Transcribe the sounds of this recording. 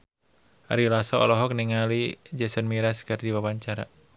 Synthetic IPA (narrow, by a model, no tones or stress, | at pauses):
ʔa̰ɾilasɔɔ̰lɔɦɔk̚niŋalid͡ʒɛsənmiɾaskɨrdiwawaɲt͡ʃaɾa